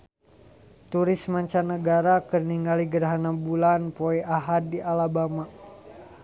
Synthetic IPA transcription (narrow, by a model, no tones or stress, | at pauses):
t̪uɾɪsmaɲt͡ʃanəɡaɾakərniŋaliɡəɾaɦanabulanpoɛʔaɦadiʔalabama